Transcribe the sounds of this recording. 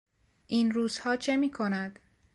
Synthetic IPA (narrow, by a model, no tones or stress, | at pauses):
ʔiːnɾuːz̥hɒːt͡ʃʰemiːkʰonæd̪̥